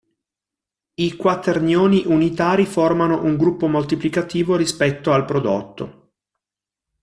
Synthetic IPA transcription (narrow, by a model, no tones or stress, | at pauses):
ikwat̪ernjoːniʔunit̪aːɾiformanoʔuŋɡɾupːomolt̪iplikat̪iːvoɾispɛt̪ːoalpɾod̪o̰t̪ːo̰